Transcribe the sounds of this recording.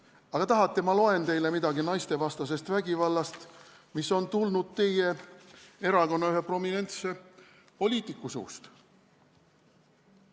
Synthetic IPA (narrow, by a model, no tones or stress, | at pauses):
ɑɡ̥ɑt̪ɑɦɑt̪ːˑe̞mɑlo̞e̞nt̪e̞jle̞mid̪ɑɡinɑjst̪e̞vɑst̪ɑs̬e̞st̪væɡ̥ivɑlːɑst̪ | miso̞nt̪ulnud̪̥̚t̪e̞je̞ | e̞ɾɑko̞nːɑyɦe̞pro̞mine̞nt̪se̞ | po̞lʲiːt̪ikːˑusṵːst̪